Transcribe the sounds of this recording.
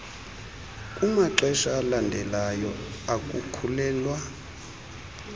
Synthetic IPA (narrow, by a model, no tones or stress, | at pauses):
kʼumaǁɛʃaːlandʱɛlajɔakʼukʰulɛːlwa